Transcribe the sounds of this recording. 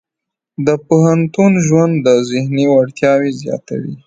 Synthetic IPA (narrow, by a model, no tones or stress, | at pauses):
d̪əpoɦant̪unʒwand̪ːəzɪhniwaɽt̪jɑwezjɑ̰t̪a̰wḭ